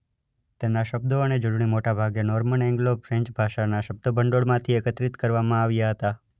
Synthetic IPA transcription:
t̪enaʃəb̚d̪oəned͡ʒʊɽɳ̃imoʈabʱaɡjenɔɾməɳɛ̃ŋɡlobfɾɛ̃ɲt͡ʃbʱaʃanaʃəb̚d̪obəɳɖoɽmãt̪ʰiekət̪ɾit̪kəɾʋamãaʋjaɦət̪a

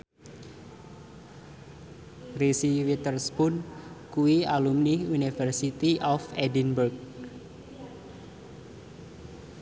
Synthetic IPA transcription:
risiwit̪ərspʊnkuialumniunifərsit̪iʔɔfɛdinburk̚

